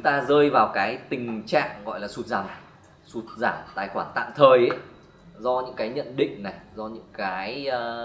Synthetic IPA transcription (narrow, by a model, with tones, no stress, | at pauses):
t͡ɕʊ˨˦ŋ͡mt̪aː˧zəː˧jvaː˨˩wkaː˨˦jt̪ï˨˩ŋ̟t͡ɕa̰ː˧˨ŋɣɔ̰˧˨jlaː˨˩su˨˥t̚zaː˧˩m | su˨˩t̚zaː˧˩mt̪a̰ː˧˨˩jxwaː˧˩nt̪a̰ː˧˨mt̪ʰəː˨˩jʔə˨˦ | zɔ˧ɲɨ̰˧˥ŋkaː˨˦jɲə̰˧˨nɗḭ̈˧˨ŋ̟na˨˩jzɔ˧ɲɨ̰˧˥ŋkaː˨˦j